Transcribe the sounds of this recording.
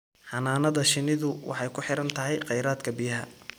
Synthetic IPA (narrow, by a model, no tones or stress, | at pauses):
ħɑnaːnɐðɐʃɪnɪðʊwɑ̰ħɑjkʰʊħɪɾɐnt̪ʰɐɦɛjqɑjɾaːd̪kʰɐbɪjɐɦɐ̰